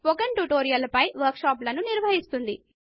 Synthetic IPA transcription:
ɔkɐɳʈuʈoːɾijɐlɐpɐjʋɐɾkʃaːplɐnuniɾʋɐɦist̪und̪i

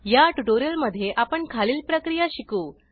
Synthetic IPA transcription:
jaʈuʈoɾijəlməd̪ʱːjeʔapəɳkʰaliːlpɾəkɾijaɕikuː

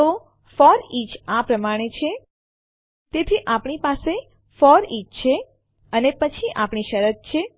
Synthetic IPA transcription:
t̪o | fɔɾit͡ʃapɾəmaɽ̃et͡ʃʰe | t̪et̪ʰiʔapɳipase | fɔɾit͡ʃt͡ʃʰe | ənepət͡ʃʰiʔapɳ̃iʃəɾət̪̚t͡ʃʰe

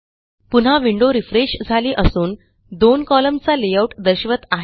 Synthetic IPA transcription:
punɦaʋiɳɖoɾifɾeɕd͡zʱaliːʔəsuːn | d̪onkɔləmt͡salejauʈd̪əɾɕʋət̪aɦ

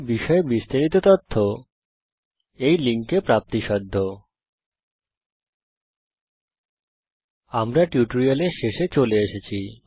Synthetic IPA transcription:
biʃɔebist̪aɾit̪ot̪ɔt̪ʰːo | ejliŋkepɾap̚t̪iʃɔd̪ʱːo | amɾaʈjuʈoɾialeɾʃeʃet͡ɕoleeʃet͡ɕʰi

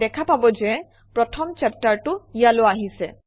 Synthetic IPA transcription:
dɛkʰapabɔzɛ | pɹɔtʰɔmt͡ʃɛp̚taɹtʊijaloaɦisɛ

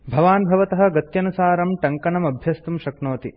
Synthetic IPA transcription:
bʱɐʋaːnbʱɐʋɐt̪ɐɦɐ̆ɡɐt̪jɐnusaːɾɐmʈɐŋkɐɳɐmɐbʱjɐst̪umʃɐknoːt̪i

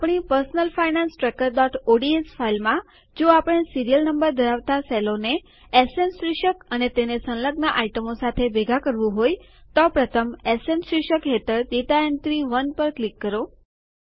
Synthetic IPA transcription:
apɽ̃ipəɾsnəlfainansʈɾɛkəɾd̪ɔʈoɖiesfʰailmã | d͡ʒoapəɽ̃siɾijəlnəmbəɾd̪ʱəɾaʋt̪aselone | esensɾɪʃəkənet̪enesə̃nləɡnəʔaiʈəmosat̪ʰebeɡʱakəɾʋũɦoj | t̪ɔpɾət̪ʰəmesemsɾɪʃəkɦet̪əɾd̪it̪aent̪ɾiʋənpəɾklikːəɾo

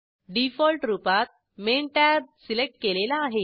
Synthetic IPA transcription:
ɖifɔlʈɾupat̪̚ | menʈab̚silek̚ʈ̚kelelaːɦe

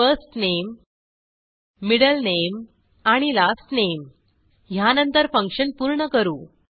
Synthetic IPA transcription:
fəsʈnem | iɽəlnem | aɽ̃ilasʈnem | ɦjanənt̪əɾfəŋkʂənpuːɾɳəkəɾuː

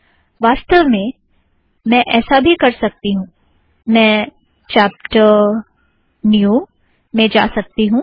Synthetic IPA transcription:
ʋaːst̪əʋmẽ | mɛ̃ʔɛːsabʱikɐɾsɐk̚t̪iɦũː | mɛ̃ː | t͡ʃaːp̚ʈəɾ | nju | mẽd͡ʒa̰ːsɐk̚t̪iɦũː

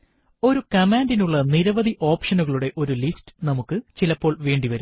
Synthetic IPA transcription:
o̞ɾukɐmaːndinuɭːɐniɾɐʋɐðiʔo̞ːpʂɐnuɣɐɭuɽe̞ʔo̞ɾulistɨ̥nɐmukːɨt͡ɕilɐpːo̞ːɭʋe̞ːɳɖiʋɐɾu

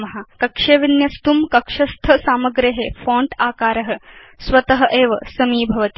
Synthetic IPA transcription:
mɐɦakɐkʂeːʋinjɐst̪umkɐkʂɐst̪ʰɐsaːmɐɡɾeɦefɔ̃ːɳʈaːkaːɾɐɦɐ̆ | sʋɐt̪ɐɦɐʔeːʋɐ̰sɐmiːbʱɐʋɐt̪i̥

